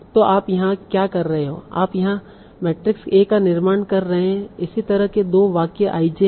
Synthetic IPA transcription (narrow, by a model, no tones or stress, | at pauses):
t̪oːʔaːpjɐɦãkjaːkɐɾːɐɦeɦo̰ːa̰ːpjɐɦã | mɛːʈɾɪkseːkːanɪɾmaːnkɐɾːɐɦeɦɛ̃ɪsit̪ɐɾəɦked̪oːʋaːkeʔaːid͡ʒe